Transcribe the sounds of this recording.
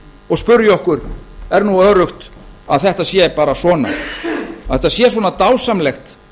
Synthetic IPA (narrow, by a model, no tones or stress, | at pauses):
ɔɣspʏɾjɔhkʏɾɛɾnuœðɾʏxt̪aðθɛht̪asjɛpaːɾasvɔːna̰ | aðθɛht̪asjɛːsvɔːnat̪aːwsamlɛxt̪